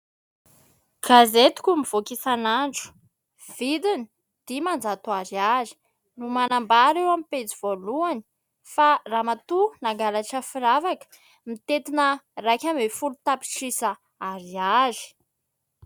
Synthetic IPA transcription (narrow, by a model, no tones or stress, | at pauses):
ɡ̥azet̪i̥kʲumiv̥okisanaɳɖ͡ʐu̥ | v̥id̪ini | d̪̥imand͡zat̪uaɾiazi̥ | numanambaɾewamipet͡sivoluani̥ | faramat̪unaɡalaʈ͡ʂəfiɾavakə̥ | mit̪et̪inərakʲamefulut̪api̥ʈ͡ʂisə | aɾiazi̥